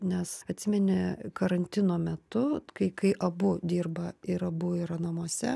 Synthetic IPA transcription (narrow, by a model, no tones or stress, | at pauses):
nʲɛsɐt̪ʲsʲɪmʲɛnʲɪkɐɾɐnʲt̪ʲɪnoːmʲɛt̪ʊkɐɪkɐɪʔɐbʊd̪ʲiːrbɐɪɾɐbʊiːɾɐnɐmuɔsʲɛ